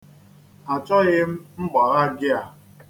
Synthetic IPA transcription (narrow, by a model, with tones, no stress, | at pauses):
a˨t͡ʃɔ˦ɣɪ˦m̩˦m̩˦ɡ͡ba˨ɣa˦ɡɪ˦a˨